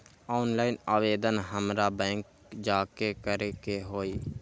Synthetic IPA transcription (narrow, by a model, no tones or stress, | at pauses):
ɔːʊnlaːɪnaːʋeːd̪ənɦəmɾaːbɛ̃ːŋk | d͡ʒaːkekəɾekeɦoːiː